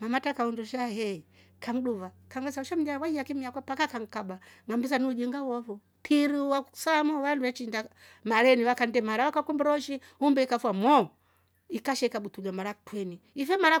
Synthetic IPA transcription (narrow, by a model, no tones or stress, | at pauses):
mamatakaunduʃahɛi | kaŋɗuva | kaŋɡasauʃam̩d͡ʒawaijakimiakapakakaŋkabaŋambisaniud͡ʒiŋɡawɔvɔ | pʰiɾiuwasamɔwanduwɛt͡ʃinda | maɾɛniwakandɛmaɾawakakumbɾɔʃi | umbɛikafwamɔ | ikaʃɛikaɓutulamaɾatwɛniifɛmaɾa